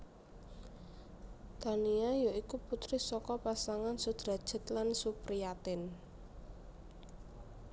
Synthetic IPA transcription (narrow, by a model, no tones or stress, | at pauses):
d̪̥a̤niajoikuput̪ɾɪsɔkɔpasaŋansud̪̥ɾa̤d̥ʒ̥ə̤t̪lansupɾiat̪ɪn